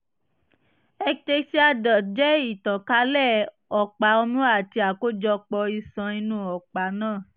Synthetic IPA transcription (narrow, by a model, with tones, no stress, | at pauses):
ɛ˧te˧si˦a˧dɔ˨d͡ʒɛ˦i˦˨tã˨ka˨˦lɛ˦˨ | ɔ˨k͡pa˨˦ɔ˧mũ˦a˦˨ti˧a˨ko˦d͡ʒɔ˧k͡pɔ˧i˧sã˧i˧nũ˦ɔ˨k͡pa˨˦nãː˦˨